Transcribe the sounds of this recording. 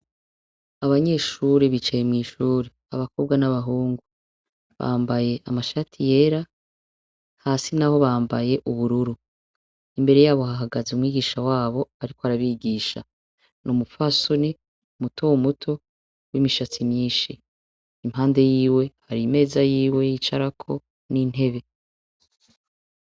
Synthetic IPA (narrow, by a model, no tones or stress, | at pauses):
aβaɲe̞ːʃuɾeβit͡ʃajemŋiːʃuːɾe | aβako̞bɡwanaβaɦuːŋɡu | βa̰ːmbaje̞ʔamaʃatʰije̞ːɾa | haːsinaho̞βaːmbaje̞ʔuβuɾuɾu | imbe̞ɾe̞jaːβo̞ɦaɦaɡazumŋwiːɡiːʃawaːβo̞aɾikoaɾaβiɡiːʃa̰ | nʔumufasoni | umutʰowumutʰo̞ | wimiʃat͡simɲiːnʃiː | mhaːnde̞jiːwe̞haɾime̞ːzajiːwe̞jit͡ʃaɾakʰo̞̰ | nin̥he̞βe̞